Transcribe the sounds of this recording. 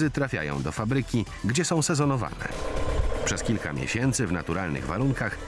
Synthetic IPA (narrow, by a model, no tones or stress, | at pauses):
ɘt̪ɾafʲja̰jɔ̰̃w̃d̪ɔfabɾɘkʲi | ɡd͡ʑɛsɔ̃w̃sɛzɔnɔva̰nɛ̰pʂɛskʲilka̰mʲjḛɕɛnt̪sɘvna̰t̪uɾalnɘ̰ɣva̰ɾuŋkax